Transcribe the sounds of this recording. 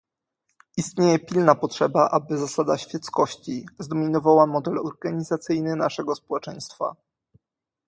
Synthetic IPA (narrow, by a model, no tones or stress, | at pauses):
ist̪ɲejɛpʲilnapɔtʂɛbaʔabɘzasad̪aɕfʲjɛt̪skɔɕt͡ɕizd̪ɔmʲinɔvawamɔd̪ɛlɔɾɡaɲizat̪sɘjnɘnaʂɛɡɔspɔwɛt͡ʂɛj̃st̪fa̰